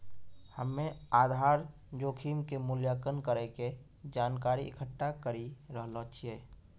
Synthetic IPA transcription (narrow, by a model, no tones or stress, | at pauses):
həmːẽaːd̪ʱaːɾ | d͡ʒoːkʰiːmkemʊljaːkənkəɾɛke | d͡ʒaːnkaːɾiɪkʰəʈːakəɾiɾəɦlɔt͡ʃʰieː